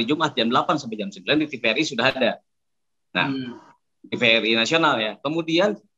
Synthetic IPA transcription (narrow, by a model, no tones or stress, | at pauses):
id͡ʒumʔat̪̚d͡ʒamdəlapansabad͡ʒamsəmbilandit̪ifeɾisudaɦada | na̰h | t̪ifeɾinasionaljakəmudian